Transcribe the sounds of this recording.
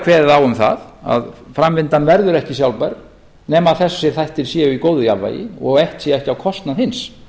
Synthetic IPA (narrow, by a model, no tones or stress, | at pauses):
kʰvɛːððawʏmθa̰ða̰ðfɾamvɪnt̪anvɛɾðʏɾɛhcɪsjawlpaɾ | nɛːmaðθɛssːɪɾ̥θajht̪ɪl̥sjɛʏikoːwðʏjavva̰jɪ̰ɔɣejht̪sjɛɛhcɪawkʰɔst̪naðhɪns